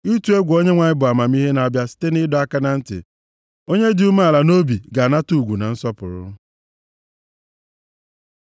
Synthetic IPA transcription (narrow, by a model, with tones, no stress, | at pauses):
i˦tu˨˦e˦ɡʷo˦ɲe˦ŋʷa˨ɲɪ˦bʊ˨a˨ma˨m˦i˦ɦe˦na˨a˨bja˨si̥˦te˦nɪ˦dɔ˦a˦ka˦na˨n̩˦tɪ̰˨ | o˦ɲe˦dɪ˨u˦ma˦a˨la˨no˦bi˨ɡa˨na˦tu˦˨ɡʷu˨na˨n̩˦sɔ˦pʊ̰˨ɾʊ̰˦